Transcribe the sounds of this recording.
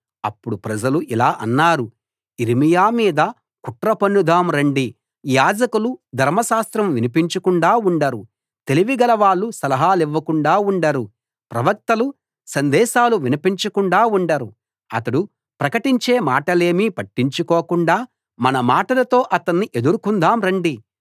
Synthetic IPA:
ɐpːuɽupɾɐd͡ʒɐluʔilaːʔɐnːaːɾu | iɾimijaːmiːd̪ɐ | kuʈɾɐpɐnːud̪ʱaːmɾeɳɖi | jaːd͡ʒɐkulud̪ʱɐɾmɐʃaːst̪ɾɐmʋinipiɲt͡ʃɐkuɳɖaːuɳɖɐɾu | t̪e̞liʋiɡɐlɐʋaːɭːusɐlɐɦaːliʋːɐkuɳɖaːuɳɖɐɾu | pɾɐʋɐk̚t̪ɐlu | sɐnd̪ɛːʃaːluʋinipiɲt͡ʃɐkuɳɖaːuɳɖɐɾu | ɐt̪ɐɽu | pɾɐkɐʈiɲt͡ʃe̞ːmaːʈɐle̞ːmipɐʈːiɲt͡ʃukɔːkuɳɖaː | mɐnɐmaːʈɐlɐt̪o̞ːʔɐt̪ɐnːiʔe̞d̪uɾukund̪aːmɾɐɳɖi

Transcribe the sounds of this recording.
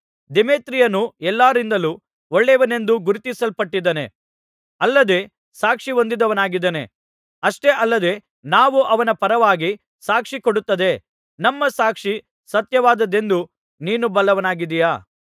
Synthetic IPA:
d̪emeːt̪ɾijɐnuɛlːaːɾind̪ɐlu | oɭːeʋɐne̞nd̪uɡuɾit̪isɐlpɐʈːid̪ɐne̞̰ | ɐlːɐd̪e̞ | saːkʂiond̪id̪ɐʋɐnaːɡid̪ɐne̞̰ | ɐʂʈe̞ʔɐlːɐd̪e̞ | naːʋuʔɐʋɐnɐpɐɾɐʋaːɡi | saːkʂikoɽut̪ːɐd̪e | nɐmːɐsaːkʂi | sɐt̪jɐʋaːd̪ɐd̪e̞nd̪u | niːnubɐlɐʋɐnaːɡid̪ijaː

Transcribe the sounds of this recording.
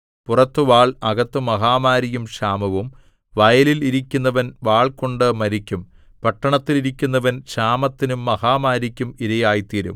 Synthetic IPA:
purɐt̪ːɨʋaːɭɐɣɐt̪ːɨmɐɦaːmaːɾijumɕaːmɐʋum | ʋɐjɐliliɾikʲːunːɐʋɐnʋaːɭko̞ɳɖɨmɐɾikʲːum | pɐʈːɐɳɐt̪ːiliɾikʲːun̪ːɐʋɐnɕaːmɐt̪ːinumːɐhaːmaːɾikʲːumiɾɐjaːjt̪iːɾṵm

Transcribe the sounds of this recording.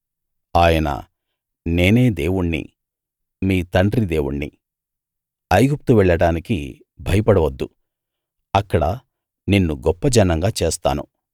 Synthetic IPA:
aːjɐnɐ̰ | ne̞ːne̞ːd̪eːwuɳːḭ | miːt̪ɐɳɖɾid̪e̞ːwṵɳːḭ | ɐjɡup̚t̪uʋɛɭːɐɽaːniki | bʱɐjɐpɐɽɐʋɐd̪ːu | ɐkːɐɽɐ | ninːuɡɔpːɐd͡ʒɐnːɐŋɡaːt͡ʃe̞ːst̪a̰ːnṵ

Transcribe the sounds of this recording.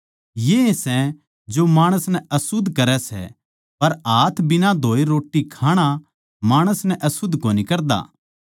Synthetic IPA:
jeesɛ | d͡ʒomaːɽ̃əsnɛɐsʊd̪ʱkɐɾɛsɛ̰ | pɐɾaːt̪ʰbɪnad̪ʱoːeɾoːʈːikʰaːɽ̃a | maːɽ̃əsnɛʔɐsʊd̪ʱkoːnikɐɾd̪a̰ː

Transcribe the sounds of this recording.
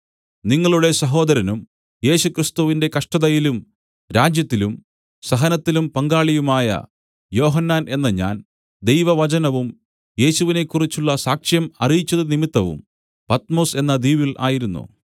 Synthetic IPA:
niŋːɐɭuɽe̞sɐɦo̞ːd̪ɐɾɐnum | je̞ːɕukrist̪uʋinde̞kɐʂʈɐðɐjilum | ɾaːd͡ʑjɐt̪ːilum | sɐɦɐnɐt̪ːilumpɐŋɡaːɭijumaːjɐ̰ | jo̞ːɦɐnːaːnʔe̞nːɐɲa̰ːn | d̪e̞jʋɐʋɐt͡ɕɐnɐʋum | je̞ːɕuʋine̞kːurit͡ɕːuɭːɐsaːkʂjɐmɐrijit͡ɕːɐðɨnimit̪ːɐʋṵm | pɐt̪mo̞ːse̞nːɐd̪iːʋilʔa̰ːjiɾunːṵ

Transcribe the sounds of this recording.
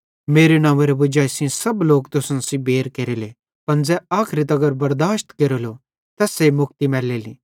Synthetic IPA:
meːɾenãːʋeɾebʊd͡ʒaːisĩsɐbloːk̚t̪ʊsnsĩbʱeːɾkeːɾele | pɐnd͡zɛaːkʰɾit̪ɐɡəɾbɐɾd̪aːʃt̪keːɾolo | t̪ɐːsemʊk̚t̪imɛːleːlḭː

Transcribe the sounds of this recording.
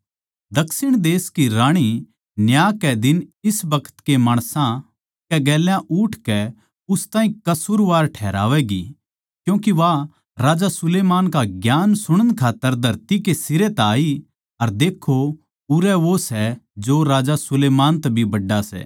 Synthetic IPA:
d̪ɐksɪɽ̃d̪eːskiɾaːɽ̃i | njaːkɛd̪ɪnɪsbɐkʰə̥t̪kemaːɽ̃sã | kɛɡɛːljãʔʊʈʰkɛ | ʊst̪aːɦĩkɐsuɾʋaːɾʈʰɛːɾa̰ːʋɛɡḭ | kjũːkiʋa | ɾaːd͡ʒasʊleːmaːnkaɡjaːnsʊɽ̃ənkʰaːt̪ːəɾd̪ʱɐɾt̪ikesɪɾet̪aːi | ɐɾd̪eːkʰo | ʊɾɛʋosɛd͡ʒoɾaːd͡ʒasʊleːmaːnt̪ɐbʱibɐɖːasɛ̰ː

